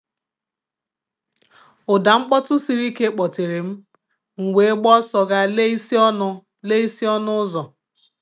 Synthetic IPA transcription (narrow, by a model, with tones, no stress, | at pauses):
ʊ˨da˨ŋ͡m̩˦k͡pɔ˦tʊ˦si˨ɾi˦ke˦k͡pɔ˨te˨ɾe˨m̩˦ | ŋ̩˨wʷe˨e˦ɡ͡bɔ˦sɔ˨ɡa˦le˦i˦sɔ˦nʊ˦ | le˦i˦si˦ɔ˦nʊ˦zɔ˨